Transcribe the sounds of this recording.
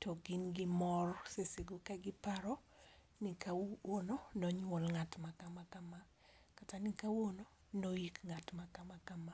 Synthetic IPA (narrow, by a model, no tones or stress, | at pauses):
tɔɡɪnɡɪmɔrsesɪɡokaɡɪpaɾɔ | nikawononɔɲwɔlŋatmakamakama | katanikawono | nojikŋatmakamakama